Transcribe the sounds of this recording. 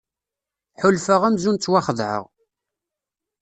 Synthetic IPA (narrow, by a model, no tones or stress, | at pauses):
ħʊlfəʁæmzunt͡sːwaχəðˤʕə̰ʁ